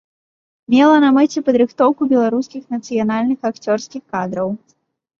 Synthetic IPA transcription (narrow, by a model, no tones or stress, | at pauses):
mʲɛlˠɐnɐmɛt͡sʲɛpɐd̪ɾɨxt̪ɔwkubʲɛlˠaɾuskʲixnɐt̪sɨjanalʲnɨxakt͡sʲɔrskʲixkad̪ɾɐw